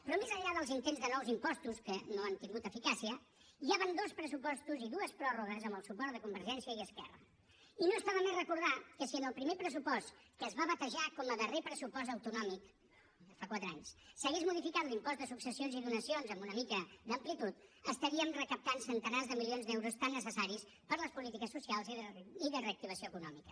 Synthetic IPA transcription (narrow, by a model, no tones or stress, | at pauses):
pɾɔmezəʎaðəlˠzint̪enzðənɔwzimpɔst̪uskənoənt̪iŋɡut̪əfikasiə | iaβənd̪ospɾəsupɔst̪uziðuəspɾɔruɣəzəmbəlˠsupɔrt̪ðəkumbəɾʒɛnsiəiəskɛrə̰ | inostaβəmerəkuɾð̞akəsiənəlˠpɾimepɾəs̬upɔst̪kəːzβaβət̪əʒakɔməðərepɾəsupɔs̬əwt̪unɔmik̪ | əfakwat̪ɾəaɲssəɣezmuðifikat̪limpɔzd̪əsuksəsionziðunəsionzəmbunəmikəd̪əmplit̪ut̪əst̪əɾiəmrəkəp̚t̪ansənt̪ənazðəmilionzd̪ɛwɾust̪anːəsəsaɾis | pəɾləspulit̪ikəsːusialˠziðiðəreək̚t̪iβəsioəkunɔ̰mikə̥